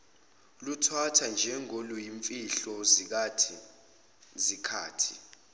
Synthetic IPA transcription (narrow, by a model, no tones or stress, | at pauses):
lutʰwatʰand͡ʒʱɛŋolujiɱfiɬɔzik̬atʰi | zikʰaːtʰi̥